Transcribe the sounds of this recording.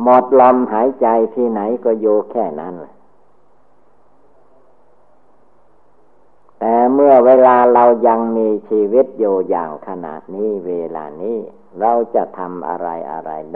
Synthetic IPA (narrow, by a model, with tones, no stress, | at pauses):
mo˨˩t̪̚lɔ˧mhaː˨˦jt͡ɕa˧jt̪ʰiː˧˩na˩˦jkɔː˧˩juː˧kʰɛː˧˩na˦˥˨nlɛ˧˩ | t̪ɛː˨˩mɯ˧˩əweː˧laː˧ɾa˧wja˧ŋmiː˧t͡ɕʰiː˧wi˦˥˩t̪̚juː˧˩ja̰ː˨˩ŋkʰa˧na̰ː˨˩t̪̚niː˦˥˩weː˧la̰ː˧niː˦˥˩ | ɾa˧wt͡ɕa˧˩ʔt̪ʰa˧mʔa̰˧ɾa̰˧jʔa̰˧ɾa̰˧j